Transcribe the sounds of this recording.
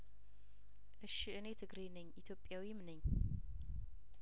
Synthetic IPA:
ʔɨʃiʔɨnet̪ʰɨɡɾenɐɲʔit̪ʰjopʼːjawimnɐɲː

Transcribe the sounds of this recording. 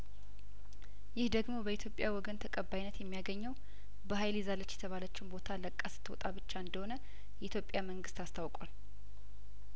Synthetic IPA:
jɪhd̪əɡmo̞bəit̪ʰjopʼjawɔɡənt̪ʰəkʼəbːajnːət̪jɛmːijaɡəɲːəw | bəɦajlizalət͡ʃːjɛt̪ʰəβalət͡ʃːumbo̞t̪ʰaləkʼːasɨ̥t̪ʰwɔ̰t̪ʼaβɨt͡ʃːaɨnd̪əho̞nə | jɛʔit̪jo̞pʼːjaməŋɡɨst̪ast̪ʰawkʼal

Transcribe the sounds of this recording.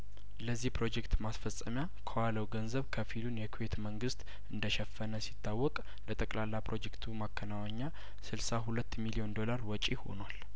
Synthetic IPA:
ləzːihpɾo̞d͡ʒekt̪masfəsʼːəmja | kʰəwaləwɡənzəβkʰəfilunjɛkʰwet̪məŋɡɨst̪ | ɨnd̪əʃɛfːənəsit̪ʰːawːɔkʼ | lət̪ʼəkʼlalːapɾo̞d͡ʒe̞kt̪ʰumakʰːənawaɲːa | sɨlsaɦulət̪ːmilio̞nd̪o̞laɾwɔt͡ʃʼiho̞̰nwal

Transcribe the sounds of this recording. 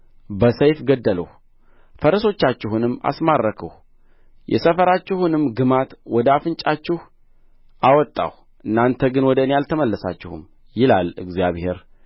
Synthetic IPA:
bəsəjfɡəd̪ːələh | fəɾəso̞t͡ʃːat͡ʃːɪɦunɨmːa̰smarːəkʰə̰h | jɛ̰səfəɾat͡ʃːɪhunɨmɡɨmat̪wɔd̪əafɨnt͡ʃʼat͡ʃːɪh | ʔawɔt̪ʼːa̰h | ʔɨnːant̪ʰəɡɨnwɔd̪ənejalt̪ʰəməlːəsa̰t͡ʃːɪhṵm | jɪlalɨ̰ɡzjaβhe̞ɾ

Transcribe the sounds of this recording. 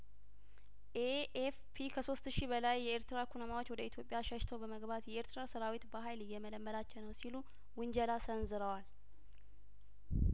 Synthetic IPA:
ʔeefpʰikʰəso̞st̪ʃibəlajːɛeɾt̪ɨɾakʰunəmawo̞t͡ʃːwɔd̪əit̪ʰjo̞pʼːjaʃəʃt̪ʰəwbəməɡbat̪jɛeɾt̪ɨɾasəɾawit̪bəɦajlɨjːɛmələmːəlat͡ʃːɛwnəwsilu | wɨnd͡ʒɛlasənzɨɾəwal

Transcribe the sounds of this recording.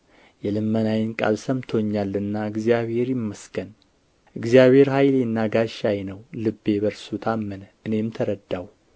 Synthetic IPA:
jɛlɨmːənajɪnkʼa̰lsəmt̪ʰoɲːalɨnːaɨɡzijaβhe̞ɾjɪmːəskʰən | ʔɨɡzijaβhe̞ɾhajlnːaɡaʃajnəwlɨbːe̞bəɾsut̪ʰamːənʔɨne̞mt̪ʰəɾəd̪ːaw

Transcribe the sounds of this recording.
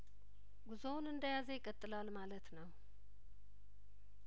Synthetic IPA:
ɡuzownɨnd̪əjazəjɪkʼːət̪ʼːɨlalmalət̪nəw

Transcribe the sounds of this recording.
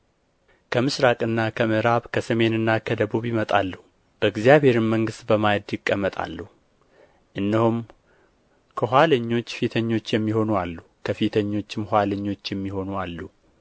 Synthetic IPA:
kʰəmɨsɾakʼɨnːakʰəmɨɾaβkʰəsəme̞nɨnːakʰəd̪əβuβjɪmət̪ʼalːəhu | b̥əɨɡzijaβhe̞ɾɨmːəŋɡɨst̪bəmajd̪ɨkʼːəmːət̪ʼa̰lːəhu | ʔɨnːəhum | kʰəhʷwaləɲːo̞t͡ʃːfit̪ʰəɲːo̞t͡ʃːjɛmːiho̞nualːukʰəfit̪ʰəɲːo̞t͡ʃːɪmhʷaləɲːo̞t͡ʃːjɛmːiho̞nualːu

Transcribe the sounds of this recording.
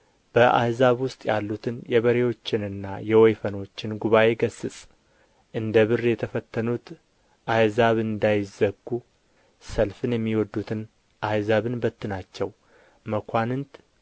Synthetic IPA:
b̥əʔa̰jzaβwʊst̪ʼjalːut̪ʰɨnjɛβəɾe̞wo̞t͡ʃːɪnɨnːajɛwɔjfəno̞t͡ʃːɪnɡuβaʔe̞ɡəsːɨsʼ | ʔɨnd̪əβɨrjɛt̪ʰəfət̪ʰːənut̪ʰ | ʔajzaβɨnd̪ajɪzəɡːu | səlfɨnjɛmːiwɔd̪ːut̪ʰɨn | ʔajzaβɨnbət̪ːɨnat͡ʃːɛw | məkʷʰanɨnt̪

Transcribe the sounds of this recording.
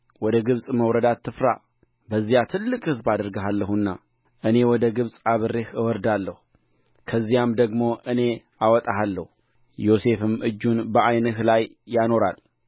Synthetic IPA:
wɔd̪əɡɨβsʼməwɾəd̪at̪ʰːɨfɾa̰ | bəzːijat̪ʰɨlːɨkʼhɨzbad̪əɾɡəɦalːəɦunːa̰ | ʔɨne̞wɔd̪əɡɨβsʼaβɨrːehɨwɔɾd̪alːəhu | kʰəzːijamd̪əɡmo̞ʔɨne̞ | awɔt̪ʼahalːəhu | jo̞se̞fɨmʔɨd͡ʒːunbəʔajnəhlajː | ano̞ɾa̰l

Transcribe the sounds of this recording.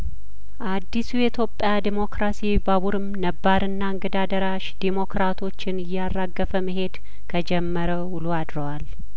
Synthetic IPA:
ʔad̪ːisujɛt̪ʰjo̞pʼːjad̪imo̞kɾasibaβuɾɨmnəbːaɾɨnːaɨŋɡəd̪ad̪əɾaʃd̪emo̞kɾat̪ʰo̞t͡ʃːɪnɨjːarːaɡːəfəməɦe̞d̪ | kʰəd͡ʒɛmːəɾəwuluad̪ɾəwal

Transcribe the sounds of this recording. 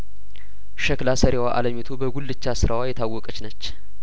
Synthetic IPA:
ʃəklasəɾewaʔa̰ləmit̪ʰobəɡulːɨt͡ʃːasɨɾawajɛt̪ʰawːɔkʼət͡ʃnət͡ʃː

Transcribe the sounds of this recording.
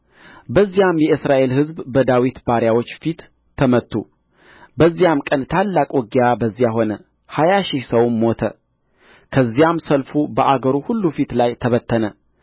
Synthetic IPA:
bəzːijamjɛɨsɾaʔe̞lhɨzbbəd̪awit̪baɾjawo̞t͡ʃːfit̪ʰː | əmət̪ːṵ | bəzːijamkʼənt̪ʰalːakʼwɔɡijabəzːjaɦo̞nə | hajaʃɪhsəwnmo̞t̪ʰə̰ | kʰəzːijamsəlfubəʔaɡəɾuhulːufit̪lajt̪ʰəβət̪ʰːənə

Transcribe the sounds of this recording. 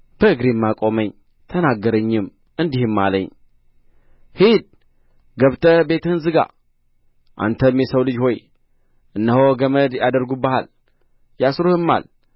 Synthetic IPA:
b̥əɨɡɾimːakʼo̞məɲ | t̪ʰənaɡːəɾəɲːɪm | ɨnd̪ihɨmːa̰lə̰ɲ | hid̪̚ | ɡəβt̪ʰəbe̞t̪ɨhɨnzɨɡa̰ | ʔa̰nt̪ʰəmjɛsəwlɨd͡ʒho̞j | ʔɨnːəhoɡəməd̪jad̪əɾɡubəha̰l | jasɾuhɨmːa̰l

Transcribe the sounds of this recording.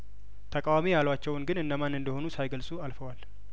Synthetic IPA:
t̪ʰəkʼawamijalwat͡ʃːɛwɨnɡɨnɨnd̪əmanɨnd̪əho̞nusajɡəlsʼualfəwal

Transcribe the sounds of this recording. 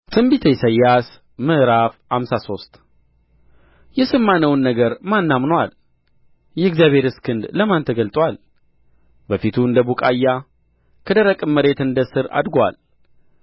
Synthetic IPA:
t̪ʰʼɨmbit̪ʰəjsəjːas | mɨʔɾafhamsaso̞st̪ʼ | jɛsɨmːanəwnːəɡəɾmanːamnwal | jɛɨɡzjaβʱhe̞ɾɨskʰɨnd̪ləmant̪ʰəɡəlt̪ʼwal | bəfit̪ʰuɨnd̪əbukʼajːa | kʰəd̪əɾəkʼɨmːəɾe̞t̪ɨnd̪əsɨɾa̰d̪ɡwa̰l

